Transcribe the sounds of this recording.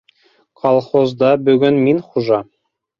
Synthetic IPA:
kʰɑlˠχozd̪ɑbɵɡɵnminχuʒɑ

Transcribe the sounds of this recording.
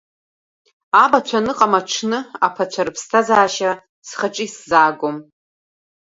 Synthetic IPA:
abat͡ɕʷʰanɨqʼamaʈ͡ʂʰnɨa̰pʰat͡ɕʷʰaɾɨpʰstʰazaːʃa | sχaʈ͡ʂʼiszaːɡʷom

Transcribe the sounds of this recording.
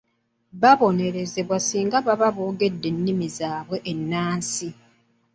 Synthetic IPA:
βaβo̞ne̞ɾe̞ze̞βwasiːŋɡaβaβaβoːɡe̞dːe̞nːimizaːβwe̞ʔenːaːnsi

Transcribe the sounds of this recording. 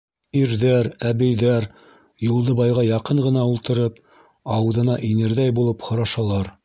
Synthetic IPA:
iɾðæɾæβɘ̆jðæɾ | julˠd̪ɤbɑjʁɑjɑqɤɴʁɤ̆nɑulˠt̪ɤ̆ɾɤp̚ | ɑw̆ðɤ̆nɑʔinɘ̆ɾðæjbulˠɤphŏɾɑʃɑlˠɑɾ

